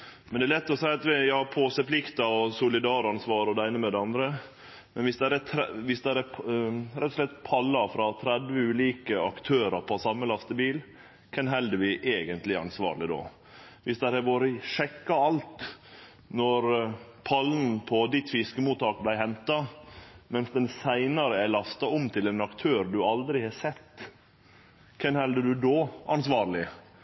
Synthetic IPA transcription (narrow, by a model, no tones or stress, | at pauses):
mɛnd̪ɛːlɛt̪ːɔsæɪɑt̪ʋɪjɑːpʰoːsəplɪkt̪ɑɔsʊlɪd̪ɑːɾɑnsʋɑːɾɔd̪ɛæɪnəmɛd̪ɛɑnd̪ɾə | mɛnʋɪsd̪æɾɛt̪ʰɾʋɪsd̪æɾæ | ɾɛt̪ːɔ̥ʂlɛt̪ːpʰɑlːɑfɾɑt̪ʰɾɛd̪ʋəʉːliːkəɑkt̪ʰøːɾəpʰɔsɑmːəlɑst̪əbiːl | kʰɛnɦɛld̪əʋɪʔeːɡənt̪lɪæɾɑ̰nsʋɑ̰ːɾɭɪd̪o̰ː | ʋɪsd̪æɾhæʋoːɾəʂɛkːɑɑlt̪ | nɔɾpʰɑlnpʰɔd̪ɪt̪fɪskəmuːt̪ːɑːk̚blæɪhɛnt̪ɑmɛnsd̪ɛnsæɪnɑɾəæɭɑst̪ɑɔmt̪ʰɪlɛnɑkt̪ʰøːɾɖʉɑld̪ɾɪhɑsɛt̪ː | kʰɛnhɛld̪əɖʉd̪oːɑnsʋɑːɾlɪ